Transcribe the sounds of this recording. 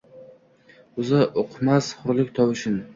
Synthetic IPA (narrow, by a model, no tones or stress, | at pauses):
ʊzɪʔoqʰmasχʊɾlɪkʲt̪ʰɒwɪʃɪn